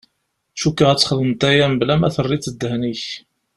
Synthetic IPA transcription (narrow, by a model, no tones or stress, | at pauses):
ʃukːəʁæt͡sːχəðəmt̪æjæmblæmæθərˤːit͡sːəd̪ːəhniç